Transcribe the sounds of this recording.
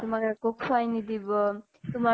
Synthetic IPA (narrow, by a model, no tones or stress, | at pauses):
t̪umakekokʰajnid̪ibɔ | t̪uma